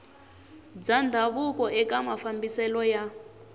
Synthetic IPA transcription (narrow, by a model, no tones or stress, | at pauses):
d͡zand̪ʱaβukɔʔɛkamafambisɛlɔja